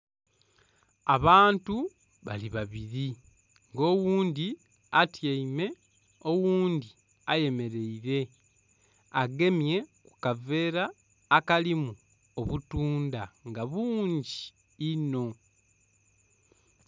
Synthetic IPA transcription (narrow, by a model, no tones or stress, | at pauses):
aβaːntu | βa̰liβaβiɾi | ŋɡo̞ːwuːndi | atjeime̞ | o̞wuːndi | aje̞me̞ɾe̞iɾe̞ | aɡe̞mje̞ku̥kave̞ːɾaː | kalimu | oβutuːndaŋɡaβuːɲɟiː | no̞